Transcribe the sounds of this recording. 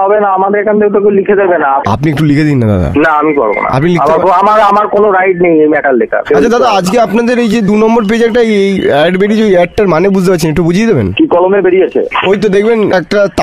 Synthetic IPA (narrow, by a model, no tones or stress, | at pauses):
ɦɔbenaamad̪eɾkant̪ʰewt̪okewlikʰed̪ebenaa̰pniekʈulikʰed̪inːad̪a̰d̪a̰naamikɔ̰ɾbo̰na̰a̰pnilikaeaɾkoamaɾamaɾkonoɾajʈnejejmɛʈalːekʰa̰eat͡ɕʰad̪ad̪aad͡ʑkeapnad̪eɾejd͡ʑed̪unɔmboɾp̬ed͡ʑɛk̚ʈaejejɛɖbeɖid͡ʑod̪iɛk̚ʈaɾmanebud͡ʑʱt̪epatːt͡ɕʰenekʈːubud͡ʑʱijed̪ebḛnkikɔlomeɾbeɾiet͡ɕʰḛojt̪od̪ek̚ʰbenɛk̚ʈat̪